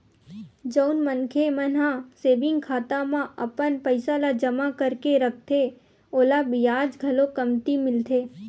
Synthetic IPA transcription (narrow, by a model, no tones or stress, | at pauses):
d͡ʒəʊnmənkʰemənɦãseːbɪ̃ŋɡkʰaːt̪amãʔəpənpəɪsalad͡ʒəmakəɾkeɾək̚ʰt̪ʰe | oːlabɪjaːd͡ʒɡʱəlõkəmt̪imɪlt̪ʰeː